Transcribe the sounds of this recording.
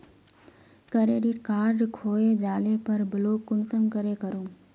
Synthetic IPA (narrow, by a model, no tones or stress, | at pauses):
kəɾeːɖiʈkaːɾɖkʰoːed͡ʒaːlepɐɾbəloːkːʊnsə̃ŋɡkəɾekəɾoː